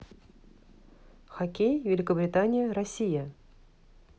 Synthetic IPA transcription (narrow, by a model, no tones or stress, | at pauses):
xɐkʲejvʲɪlʲɪkəbɾʲɪt̪anʲɪjəɾɐsʲijə